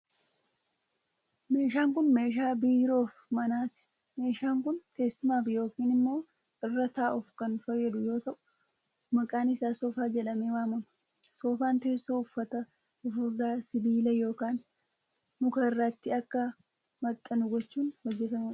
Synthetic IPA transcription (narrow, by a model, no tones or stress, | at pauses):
me̞ːʃaːŋkʊnme̞ːʃaːbiːɾo̞ːfmɐnaːt̪ɪ̥ | me̞ːʃaːŋkʊnt̪e̞ːsːɪmaːfɪjo̞ːkiːnɪmːo̞ː | ʔɪrːɐt̪aːʔʊfkɐnfɐjːɐd̪ʊjo̞ːt̪ɐʔʊ̥ | mɐkʼaːnɪsaːsoːfaːd͡ʒɛᶑɐmeːwaːmɐmɐ̥ | soːfaːnt̪e̞ːsːoːʊfːɐt̪ɐ | ʊfʊɾd̪aːsɪbiːlɐjo̞ːkaːnː | ʊkɐɪrːɐt̪ːɪɐkːɐ | mɐt̪ʼːɐnʊɡɔt͡ʃːuːnhɔd͡ʒːɛt̪ɐmuːᶑ